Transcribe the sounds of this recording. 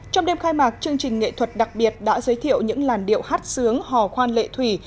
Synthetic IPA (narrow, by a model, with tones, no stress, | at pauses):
t͡ɕɔ˧wŋ͡mɗe˧mxaː˧jmaː˨˩k̚t͡ɕɨ˧əŋt͡ɕï˨˩ŋ̟ŋḛ˧˨t̪ʰwə˨˩t̚ɗa˨˩k̚ɓi˨˩ət̚ɗa̰ː˧˥zə˨˦jt̪ʰḭ˧˨ə˨wɲɨ̰˧˥ŋlaː˨˩nɗḭ˧˨əwhaː˦˥t̚sɨ˨˦əŋhɔ˨˩xwaː˧nlḛ˧˨t̪ʰwi˧˩